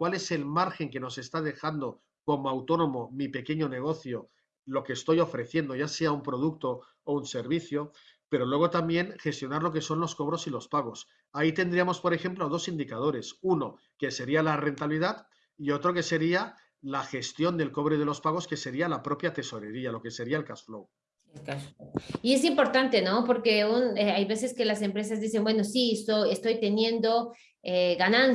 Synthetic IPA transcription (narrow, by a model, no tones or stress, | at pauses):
kwale̞se̞lmaɾxe̞ŋke̞no̞se̞st̪að̞e̞xand̪o | ko̞moawt̪o̞no̞mo̞mipe̞ke̞ɲo̞ne̞ɣ̞o̞θjo̞ | lo̞ke̞ːst̪o̞jo̞fɾe̞θje̞nd̪oʝase̞aumpɾo̞ð̞uk̚t̪o̞ː | unse̞ɾβiθjo̞ | pe̞ɾo̞lwe̞ɣ̞o̞t̪ambje̞ŋxe̞st̪jo̞naɾlo̞k̬e̞so̞nlo̞sko̞β̞ɾo̞silo̞spaɣ̞o̞s | ait̪e̞nd̪ɾiamo̞spo̞ɾe̞xe̞mploað̞o̞sind̪ikað̞o̞ɾe̞suno̞ | ke̞se̞ɾialare̞nt̪aβliðat̪ | io̞t̪ɾo̞ke̞se̞ɾia | laxe̞st̪jo̞nd̪e̞lko̞β̞ɾeð̞elo̞spaɣ̞o̞ske̞se̞ɾialapɾo̞pjat̪e̞so̞ɾe̞ɾialo̞ke̞se̞ɾiaelkasflow | elkasfoie̞s̬impo̞ɾt̪ant̪e̞nopo̞ɾkeuneajβeseskelase̞mpɾes̬azðise̞mbwe̞nosisoest̪o̞jt̪e̞njẽ̞nd̪o̞ | eɣanãn